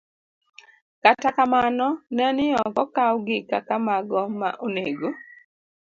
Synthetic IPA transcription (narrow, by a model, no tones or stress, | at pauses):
katakamanɔnɛnɪɔkɔkawɡɪkakamaɡɔma̰ʔoneɡo